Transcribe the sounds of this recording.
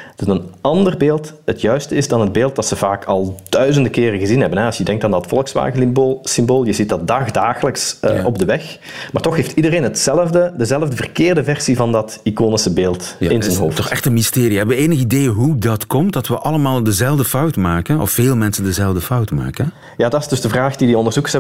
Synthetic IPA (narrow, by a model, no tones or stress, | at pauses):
dəzənɑndərbeːlˠtɦətjœɥstəɪzdɑnɦəd̚beːlˠt̚d̥ɑtsəvaːkɑlˠd̥œɥzəndəkɪːrəɣəzinɦɛbənɦɛɑsjədɛŋktaːndɑtfɔlˠəksʋa̰ːɣəlɪmbolˠsɪmboːlˠjəzit̚dɑt̚daːxdaːɣələksə̰ʔɔb̚dəʋɛx | maːrtɔxɦeːftidəreːnɦətsɛləvdədəzɛləvdəvərkɪːrdəvɛrsivɑndɑtikoːnɪsəbeːlˠtɪnzənɦoːftɔxɛxtənmisteːriɛʋəeːnəɣəideːjəɦudɑtkɔmt̚dɑtʋəʔɑləmaːlˠdəzɛlˠvdəfɑwtmaːkənɔ̰fːeːlˠmɛnsəndəzɛlˠvdəfɑwtma̰ːkə | jaːdɑtɪsdɵzdəvraːxdidiɔndərzukəsɛ